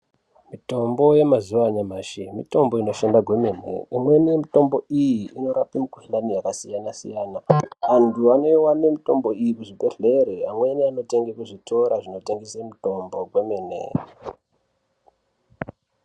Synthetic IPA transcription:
mito̞mbo̞je̞mazuʋaɲamaːʃimito̞mbo̞ino̞ʃandaɡʱwe̞meːne̞̰imwe̞nijemito̞mbo̞ijiʔːno̞ɾapimikuɬanijakasijanasḭjaːnaʋantʰuano̞jiwane̞mito̞mbo̞ijikuʐibʱe̞ɮe̞ɾeamwe̞niano̞te̞ŋɡekuʐitʰo̞ɾaʐino̞te̞ŋɡesemito̞mbo̞ɡwe̞me̞ːne̞̰

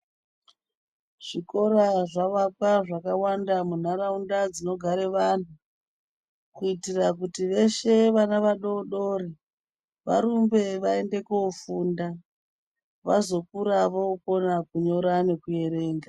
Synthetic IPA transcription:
ʐ̥iko̞ɾaʐaʋapaʐakawandamun̤aɾaundad͡zino̞ɡʱaɾe̞ʋan̤u | kuitirak̬utiʋe̞ʃe̞ʋanaʋaɗo̞ɗoɾi | ʋa̰ɾumbe̞ʋae̞nde̞kofuːnda | ʋazo̞kuɾaʋouko̞nakuɲo̞ɾane̞kuje̞ɾe̞ːŋɡa

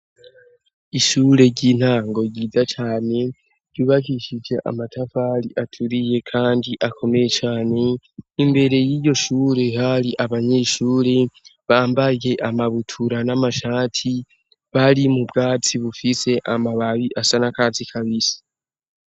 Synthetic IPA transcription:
iʃuːɾe̞ɟin̥haːŋɡo̞ɾɟiːzat͡ʃaːne̞ | ɾɟuːβakiʃid͡ʒe̞ʔa̰matʰafaɾiʔatʰuɾije̞kʰaːndiʔakʰo̞me̞je̞t͡ʃaːne̞ | imbe̞ɾe̞jiːjo̞ʃuːɾe̞haɾiʔaβaɲe̞ʃuːɾe̞βaːmbaje̞ʔamaβutʰuɾanamaʃaːtʰi | βaɾimubɡaːt͡siβufise̞ʔamaβaβiʔasanakat͡sikʰaβisi̥

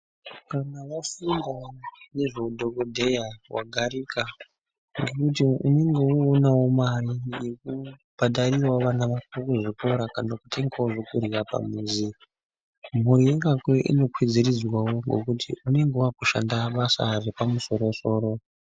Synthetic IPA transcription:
kanawafindane̞ʐoudʱo̞kodʱe̞jawa̰ɡʱaɾika | ŋɡe̞kut̬iune̞ŋɡe̞uonawo̞marije̞kub̥ʱaɗarirwaʋanaʋakokuʐikoɾakanakutʰe̞ŋɡawoʐokuriwapa̰muːnzi | m̤uɾiiŋɡakweʔḭno̞kʰwid͡zirid͡zwawo̞ŋɡo̞̰kutʰḭune̞ŋɡeuakuʃandaɓasa̰repamuso̞ɾo̞so̞ːɾo̞

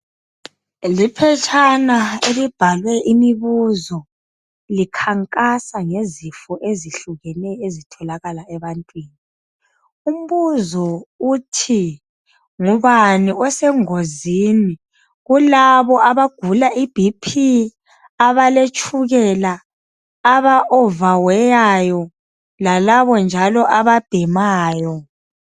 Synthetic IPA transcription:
lipʰɛt͡ʃʼʰanaelib̥ʱalwɛʔimiβuzɔ | likʰaŋkʼasaŋezifɔʔeziɬuɣɛnɛezitʰɔlaɣalaɛβantʼwiːni | um̩βuzɔutʰi | ŋuβaniɔsɛŋozini | ɣulaβɔʔaβaɡ̥ʱulaib̥ʱipʰi | aβalet͡ʃʼuɣɛlaː | βaʔɔvawɛjajɔ | lalaβɔnd͡ʒʱalɔʔaβab̥ʱɛmaːjɔ

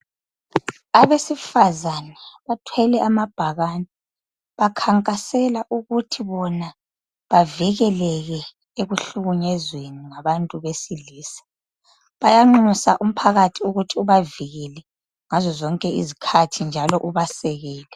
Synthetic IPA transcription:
aβesifazanɛβatʰwɛlɛʔamab̥ʱaɣanɛ | βakʰaŋkʼasɛlaʔuɣutʰiβɔna | βaviɣɛlɛɣɛ | eɣuɬuɣuɲɛzweniŋaβantʼuβesiliːsḁ | βajaŋ͡ǃusaʔum̩pʰaɣatʰiuɣutʰiuβaviɣɛlɛ | ŋazɔzɔŋkʼɛḭzikʰatʰind͡ʒʱalɔʔuβasɛɣɛːlɛ

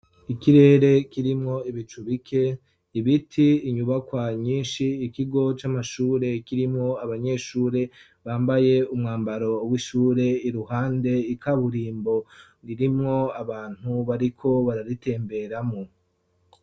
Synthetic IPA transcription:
ikiɾe̞ːɾe̞kiɾimŋo̞iβit͡ʃuβikʰe̞ | iβitʰiːɲuβakwaɲiːnʃiːkiɡo̞t͡ʃamaʃuːɾe̞kiɾimŋo̞aβaɲe̞ʃuːɾe̞ | βaːmbaje̞umŋaːmbaɾo̞wiʃuːɾe̞iɾuhaːnde̞ikʰaβuɾiːmbo̞niɾimŋo̞aβaːn̥uβaɾikʰo̞βaɾaɾite̞ːmbe̞ɾamo

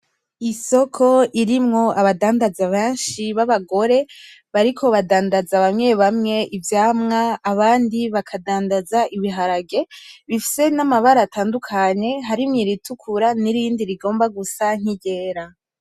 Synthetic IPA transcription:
iso̞kʰo̞ʔiɾimŋo̞aβadaːndazaβeːnʃiβaβaɡo̞ɾe̞ | βaɾikʰo̞βadaːndazaβamŋe̞βamŋe̞ʔivjaːmŋaːβaːndiβakʰadaːndazaʔiβiɦaɾaɡe̞βifi̥se̞namaβaɾaːtaːndukʰaɲe̞ɦaɾimŋiɾitʰukʰuɾaniɾiːndiɾiɡo̞ːmbaɡusaŋ̥iɟe̞ːɾa

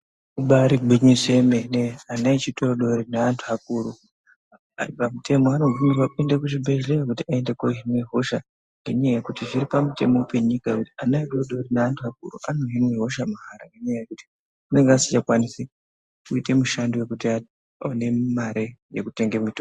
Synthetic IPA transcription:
uɓaɾiɡʱiɲisemeneanait͡ʃitoɗo̞rinaantʰuak̚uɾu | a̰ripamutʰe̞moanoɡʱinepapindakuʐibʱe̞ʒleakutiae̞ndekoɦimwiɦo̞ʃa | ŋɡeɲajakutiʐiɾipamute̞mope̞ɲikakutianaito̞ɗo̞ɾinaantʰuak̚ṵrṵʔano̞ɦimweɦo̞ʃamuɦaɾaŋɡeɲajekuti̥ | une̞ŋɡasi̥t͡ʃakwanisi | kuite̞muʃandowekutia | one̞maɾejekute̞ŋɡemito

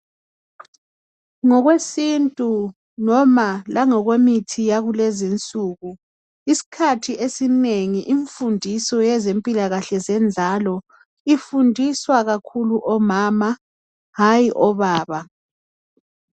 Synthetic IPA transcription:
ŋɔɣwesintʼu | nɔmalaŋɔɣwemitʰijaɣulɛzint͡sʼuːɣu | isi̥kʰatʰiʔesineŋiʔiɱfundʱisɔjɛzempʼilaɣaɬɛzɛnd͡zʱalɔ | ifundʱiswaɣakʰuluʔɔmaːma | ɦajiʔɔβaːβa

